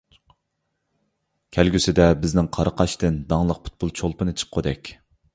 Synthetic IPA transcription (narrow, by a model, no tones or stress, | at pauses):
kʲʰælɡʲysɪd̪ɛbɪznɪŋqʰɑɾəqʰɑʃt̪ɪnd̪ɑŋlˠəq̚pʰu̥t̪̚pʰulˠt͡ʃʰolˠpɨnɨt͡ʃʰə̥qʰːod̪ɛkʲ